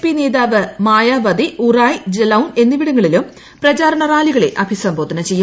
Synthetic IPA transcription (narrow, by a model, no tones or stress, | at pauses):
pine̞ːðaːʋɨmaːjaːʋɐd̪iuraːjd͡ʑelɐwne̞nːiʋiɽuŋːɐɭilum | prɐt͡ɕaːɾɐɳɐraːliɣɐɭe̞̰ʔɐbʱisɐmbʱoːd̪ʱɐnɐt͡ɕe̞jːu